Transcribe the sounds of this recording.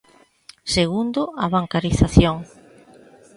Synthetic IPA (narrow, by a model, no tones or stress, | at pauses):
seɣund̪ʊaβaŋkaɾiθaθjoŋ